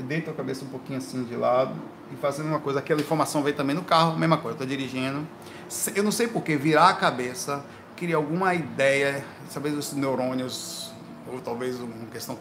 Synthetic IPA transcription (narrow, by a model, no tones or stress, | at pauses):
d̪ejt̪ɐkabesɐũpokĩɲʊasĩʊd͡ʒɪlad̪ʊ | ɪfazawɡũmɐkojzɐakɛlɐĩfoɾmasɐ̃w̃vej̃t̪ɐ̃bẽj̃nʊkahʊmezmɐkojzewt̪od͡ʒiɾiʒĩnd̪ʊ | sewnɐ̃w̃sejpoɾkeviɾaːkabesɐ | kɪɾiɐawɡũmɐid̪ɛjɐ | sawvezʊsnewɾõniʊz | ot̪awvezuũmɐkest̪ɐ̃w̃